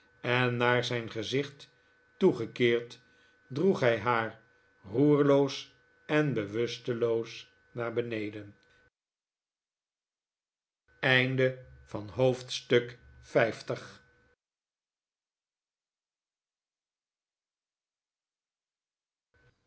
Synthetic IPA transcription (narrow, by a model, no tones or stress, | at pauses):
ɛnːaːɹzɛjnχəzɪχtː | uχəkɪːɹt | druχɦɛjɦaːɹ | ruːɹlows | ɛnbəʋɵstəlows | naːɹbənejdən | ɛjndəv̥ɑnɦowftstɵkfɛjftəχ